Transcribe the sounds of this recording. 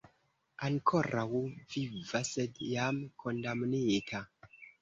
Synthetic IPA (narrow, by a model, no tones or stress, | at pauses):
aŋkʰoɾawvivasedjamkʰo̞ndamnitʰa